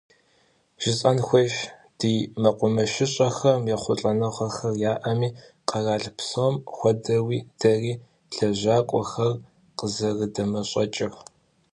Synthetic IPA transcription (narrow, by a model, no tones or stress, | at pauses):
ʒ̥ɪɕʼɐnxʷɔʃd̥iːmɐqʷʊmɐʃɪɕʼɐxɐmjɛχʷʊɬʼɐnɐχʷɐxɐrjaːʔɐmiː | qɐraːɮpsomxʷɔdɐwiːd̥ɐriː | ɬɐʑaːkʷʼɔxɐr | qəzɐrɨdɐmɐɕʼɐt͡ʃʼɪr